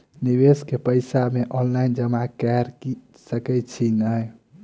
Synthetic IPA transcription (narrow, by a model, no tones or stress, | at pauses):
niʋeskepəjsameʔɔnlaind͡ʒəmãkɛɾki | səkɛt͡ʃʰinəj